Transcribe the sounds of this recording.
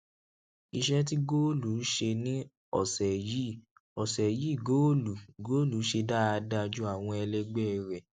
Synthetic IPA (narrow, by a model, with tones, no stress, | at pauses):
i˧ʃɛ˦t̬i˦ɡo˦lu˨˦ʃe˧nĩ˦ | ɔ̰˦˨sɛ˨ji˦˨ | ɔ˨sɛ˨ji˦˨ɡo˦lu˨ɡo˦lu˨˦ʃe˧da˦˧da˧d͡ʒu˦a˦˨w̃ɔ̃˧ɛ˧lɛ˧ɡ͡bɛ˦˨ɾɛ˨